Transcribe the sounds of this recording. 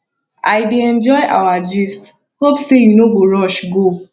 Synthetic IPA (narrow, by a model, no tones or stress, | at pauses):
ajdeɛ̃nd͡ʒɔɪa̰wad͡ʒist | hopsejunoɡ͡boɾɔʃɡo